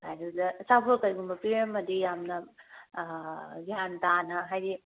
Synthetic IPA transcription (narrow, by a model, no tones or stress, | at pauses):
hajɾɯdɐsapʰokɐjɡumbɐpiɾemːɐdijamnɐ | ɡiantanɐɦajdi